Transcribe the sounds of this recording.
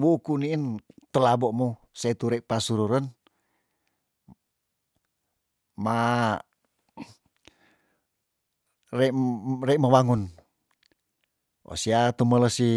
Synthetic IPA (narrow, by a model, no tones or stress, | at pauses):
wukuniːnt̪əlabɔʔmu | seit̪uɾɛpasuɾuɾən | ma | rerɛʔməwaŋun | o̰siat̪umələsi